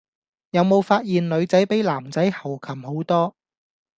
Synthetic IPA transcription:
jɐ˨˧wmo˨˧wfaː˧t̚jiː˨nlɵ˨˧ɥt͡sɐ˨˥jpe˨˥jlaː˨˩mt͡sɐ˨˥jhɐ˨˩wkʰɐ˨˩mho˨˥wt̪ɔː˥

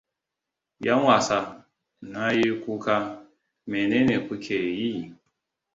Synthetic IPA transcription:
ja˦wa˨sa˨ | na˦ji˦ku˦ka˦ | me˨ne˦ne˨pu˦kʰe˨ji˦˨

